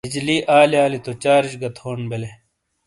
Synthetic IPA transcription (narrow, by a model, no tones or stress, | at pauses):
id͡ʑliːʔaːliaːlit̪ot͡ɕaːɾiɕɡɐt̪hoːnbele